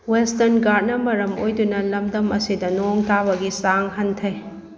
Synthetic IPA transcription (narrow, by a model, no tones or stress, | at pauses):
westɐɾnɡat̚nɐmɐɾɐmojdunɐlɐmdɐmɐsidɐnoŋtabɐɡisaŋɦɐntʰɐj